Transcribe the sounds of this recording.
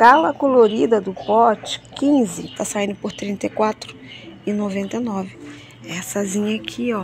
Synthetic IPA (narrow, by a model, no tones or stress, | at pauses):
kalɐkoloɾid̪ɐd̪ʊpɔt͡ʃɪ̥kĩzɪt̪asaĩnd̪ʊpoɾt̪ɾĩnt̪ejkwat̪ɾʊɪnovẽnt̪ejnɔvɪ | ɛsɐzĩɲɐːkʰiɔ